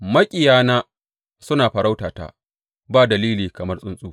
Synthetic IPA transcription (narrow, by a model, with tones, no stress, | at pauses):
mɐ˦kʲʼɪ˨jaː˦naː˦ | sʊ˦naː˨ɸɐ˨ɽa˦wtaː˨ta̰ː˦ | baː˦˨dɐ˨liː˦liː˨kɐ˨mɐ˦rsʼʊ˦nsʼuː˦